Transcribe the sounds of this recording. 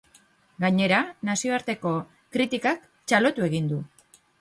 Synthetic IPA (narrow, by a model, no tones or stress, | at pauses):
ɡaɲe̞ɾanasio̞aɾt̪e̞ko̞ | kɾit̪ikak | t͡ʃalo̞t̪ue̞ɣ̞ind̪u